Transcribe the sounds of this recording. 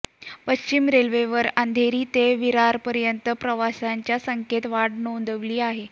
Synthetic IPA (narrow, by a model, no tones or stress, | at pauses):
pəɕt͡ɕimɾelʋeʋəɾand̪ʱeɾiːt̪eʋiɾaɾpəɾjənt̪əpɾəʋasaɲt͡ɕjasəŋket̪ʋaɽnond̪ʱəʋliːaɦe